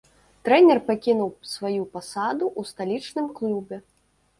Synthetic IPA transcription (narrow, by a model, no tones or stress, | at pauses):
t̪ɾɛnʲɛrpakʲinuwsvajupasad̪uʔust̪alʲit͡ʂnɨmklʲubʲɛ